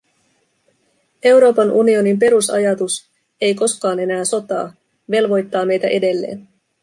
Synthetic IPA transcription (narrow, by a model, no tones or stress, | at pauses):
e̞wɾo̞ːpɑnʔunio̞nimp̬e̞ɾusɑ̰jɑt̪us | e̞jko̞skɑːne̞næːso̞t̪ɑ̰ː | ʋe̞lʋo̞jt̪ːɑːme̞jt̪æʔe̞de̞lːe̞̰ːn